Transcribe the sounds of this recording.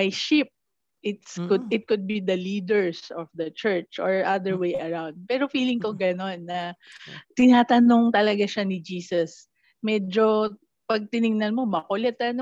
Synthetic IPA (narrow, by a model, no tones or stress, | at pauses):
majʃɪp̚ | ʔɪt̪skʊd̪ɪt̪̚kʊd̪̚bid̪ɐliːd̪ɛɹsɔfd̪ɐt͡ʃɛɹt͡ʃɔɹʔad̪ɛɹwejʔɐɹawnd̪̚pɛːɾo̞fiːlɪŋkoɡɐno̞nːɐt̪ɪnaːt̪ɐnoŋt̪ɐlɐɡaʃanɪd͡ʒiːsɐs | mɛd͡ʒo | pɐɡ̚t̪ɪnɪŋnɐlmo̞mɐkolɛt̪ɐno